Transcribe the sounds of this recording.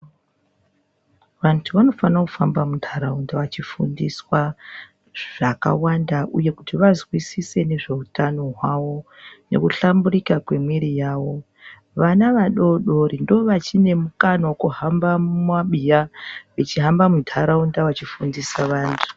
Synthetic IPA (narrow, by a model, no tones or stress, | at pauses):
ʋantʰuʋano̞fanakufambamuntʰaɾaundaʋat͡ʃifṵndiswa | ʐ̥aka̰wandaʔuje̞kutiʋazwisise̞ne̞ʐe̞utano̞ɦwaʋo̞ | ne̞̰kuɬambuɾikakwe̞mwiɾijaːʋo̞ | ʋanaʋaɗo̞ɗo̞ɾindoʋat͡ʃine̞mukanawokuɦambamwaɓijaʋit͡ʃiɦambamundʰʱaɾaundawat͡ʃifundisaʋaːntʰu̥